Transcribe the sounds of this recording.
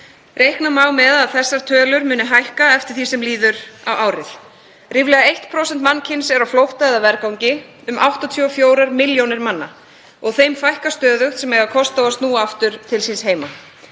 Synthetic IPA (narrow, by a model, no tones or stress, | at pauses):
rejhknamaːwmɛðaðθɛsːaɾ̥t̪ʰœːlʏɾmʏːnʏɦajhkaɛft̪ɪɾ̥θisɛmliːðʏɾawʔaːwɾɪθ | rivlɛːɣaejht̪pʰɾowsɛnt̪manːcʰɪnsɛɾawflowht̪aɛðavɛɾkawɲcɪ | ʏmʔa̰wht̪ɔt̪ʰœɔfjoːwɾaɾmɪljownɪɾmanːa̰ | ɔɣθejmfajhkast̪œːðʏxsɛmɛɣakʰɔst̪awast̪nuːaft̪ʏɾ̥t̪ʰɪlsinsheːjma